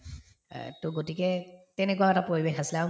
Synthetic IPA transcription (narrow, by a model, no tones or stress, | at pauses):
tʊɡotikɛtɛnɛkuwaɛtapɹoɹibexasila